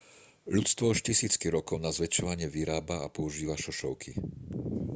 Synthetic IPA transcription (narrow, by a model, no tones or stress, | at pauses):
ʎut͡st̪ʋɔɔʃcisiːt͡skiɾɔkɔʊnazʋɛt͡ʃɔʋaɲɪɛʋiɾaːbaapɔuʒiːʋaʃɔʃɔʊkʰi